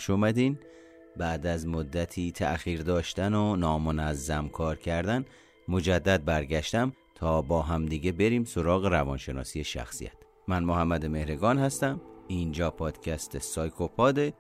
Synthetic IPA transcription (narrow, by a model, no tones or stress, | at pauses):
ʃomæd̪iːn | bæʔd̪æzmod̪ːæt̪ʰiːt̪ʰæ̰ʔxiːɾd̪ɒːʃt̪ænonɒːmonæzːæmkʰɒːɾcʰæɾd̪æn | mod͡ʒæd̪ːæd̪̚bæɾɟæʃt̪æm | t̪ʰɒːbɒːɦæmd̪iɟe̞be̞ɾiːmsoɾɒːɣe̞ɾævɒːnʃe̞nɒ̰ːsijeʃæ̰xsḭjæ̰t̪ | mænmoɦæmːæd̪eme̞hɾeɡɒːnhæst̪æmiːnd͡ʒɒːpʰɒːd̪̥cʰæst̪ʰesɒːjkʰopʰɒːd̪e